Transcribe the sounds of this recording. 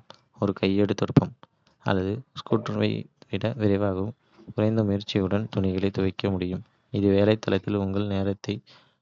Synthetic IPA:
ɔɾɯkɐjːeɽɯt̪ːɔɽɯpːɐm | ɐ̰lːɐðɯskuːʈʋɐ̰ɪʋɪɽɐʋɪɾɐɪʋaːɣɯm | ʊɾɐɪnd̪ɐmʊjɪɾt͡ʃːɪjɯɽɐnt̪ʊnɪɣɐɭɐɪt̪ːʊʋɐɪkːɐmʊɽɪjɯm | ɪðɯʋeːlɐɪt̪ːɐlɐt̪ːɪlʊŋɡɐɭneːɾɐt̪ːɐɪ

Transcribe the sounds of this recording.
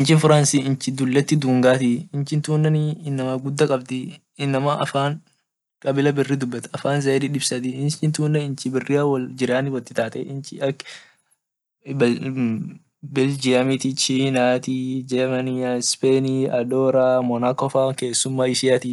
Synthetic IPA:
ʔɪnt͡ʃɪnfʊɾansiːɪnt͡ʃɪd̪ʊlːɐt̪ːɪd̪uːŋɡaːt̪ɪɪnt͡ʃɪnt̪uːnːɐniɪnːɐmɐɡʊd̪ːɐkʼɐbt̪ɪ | ɪnːɐmɐʔɐ̰faːn | kʼɐbɪlɐbɪrːiːd̪ʊbːɐt̪ɐ̥ɐfaːnzɐɾiᶑɪbsɐt̪ɪɪnt͡ʃɪnt̪uːnːɐɪnt͡ʃɪbɪrːɪɐwɐld͡ʒɪɾaːnɪwɐt̪ːɪt̪aːt̪ʼɛ̰ʔɪnt͡ʃɪɐkː | b | bɪld͡ʒɪɐmɪt̪ɪt͡ʃiːnaːt̪id͡ʒɛmɐnispeniɐd̪oːɾaːmɔnaːkɔfake̞ːsːʊmːaːɪʃɪjat̪ɪ

